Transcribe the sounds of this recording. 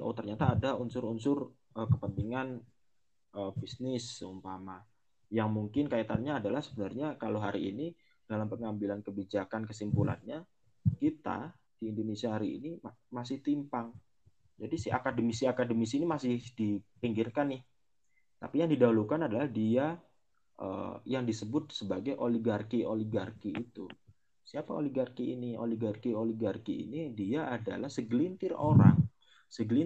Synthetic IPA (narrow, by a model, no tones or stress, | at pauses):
ʔo̰t̪ərɲat̪aːdaunsʊɾunsʊr | əkəpəmpiŋan | ʔəbisnɪsumpama | jaŋmuŋkɪnkait̪anɲaːdalahsəbənərɲakaloɦaɾḭːni | d̥alampəŋambilankəbid͡ʒakankəsimpula̰nɲa | kit̪a̰ | d̥iːndonesiaɦaɾḭːnimasɪht̪impaŋ | d͡ʒadisia̰kadəmisiakadəmisinimasɪhd̥ipiŋɡɪrkanːɪh | t̪a̰pijaŋdidaulukanadalahdia | ʔə̰jaŋdisəbʊt̪̚səbaɡajʔoliɡarkiʔoliɡarkiːt̪ṵ | siapao̰liɡarkiʔiniʔo̰liɡarkioliɡarkiḭnidiaʔada̰lahsəɡlint̪ɪroɾa̰ŋ | səɡli